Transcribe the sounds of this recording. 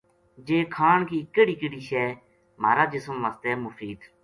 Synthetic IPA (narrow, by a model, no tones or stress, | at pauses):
d͡ʒeːkʰaːɳkiːkːəɽiːkəɽiːʃɛː | m̤a̰ːɾaːd͡ʒɪsəmʋaːst̪eːmʊfʰiːd̪